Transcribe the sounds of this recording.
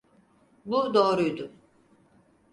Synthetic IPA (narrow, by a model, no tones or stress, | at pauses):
bud̪o̞ːɾujd̪ʊm